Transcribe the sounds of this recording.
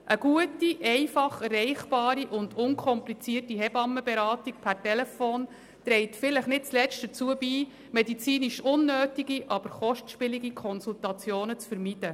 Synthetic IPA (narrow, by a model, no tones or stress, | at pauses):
ʔəɡ̥uətiʔɛɪfɑχærɛɪχb̥ɑːɾiʔʊnd̥ʊnkʰɔmplit͡siːərtiɦɛbɑmːəbɛɾɑːtik̚pʰæɾtɛlɛfoːn | tɾɛɪtfɪləχnɪt̚t͡slɛt͡st̚d̥ət͡suəbiː | mɛdit͡siːniʃʊnːøːtiɡiʔɑb̥əɾχɔʃtʃpɪliɡikʰɔnsultɑt͡sjoːnət͡sfəɾmid̥ə